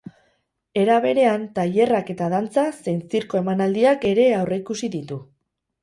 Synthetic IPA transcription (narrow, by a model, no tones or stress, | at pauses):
e̞ɾaβ̞e̞ɾe̞ant̪aʎe̞rake̞t̪aðant͡sase̞jnsiɾko̞e̞manald̪iake̞ɾe̞awreikusiðit̪u